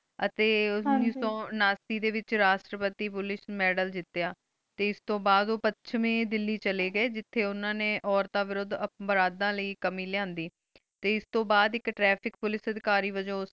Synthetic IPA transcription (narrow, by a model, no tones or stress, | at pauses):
ət̪eːɪsõːnaːst̪iːd̪eːʋɪt͡ʃɾaːʃʈɾəpət̪iːpʊlɪʃmɛːɖəld͡ʒɪt̪ːejaː | t̪eːɪst̪õːbaːd̪oːpətːʃʰmẽːd̪ɪlːiːt͡ʃəleːɡəeːd͡ʒɪt̪ʰːeːʊnãːneːʔɔːɾt̪aːʋɪɾʊd̪əbəɾaːd̪ãːləiːkəmiːlɪãːnd̪iː | t̪eːɪst̪õːbaːd̪ɪkʈɾɛːpʰɪkpʊlɪsəd̪ɪkaːɾiːʋəd͡ʒõːʊs